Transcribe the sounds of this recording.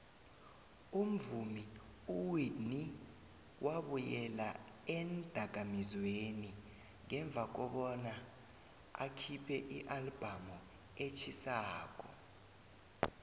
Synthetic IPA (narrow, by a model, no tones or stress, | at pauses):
um̩vumiuwini | wʔaɓujɛla̰ | ɛnd̥ʱak̬amizweni | ŋɛɱb̪vʱak̬ɔɓɔna | a̰kʰipʰɛʔiʔalb̥ʱamɔ | et͡ʃʰisaːk̬ʼɔ